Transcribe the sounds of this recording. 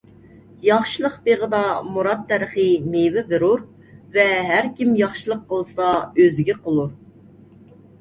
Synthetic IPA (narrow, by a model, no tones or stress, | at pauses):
jɑχʃilˠəqbeʁəd̪ɑmuɾɑt̪ʰːæɾəχɨmevɪbɨɾuɾ | vɛɦæɾkʲimjɑχʃilˠəqʰːəlˠɨsɑøzɪɡʲɛqʰəlˠuɾ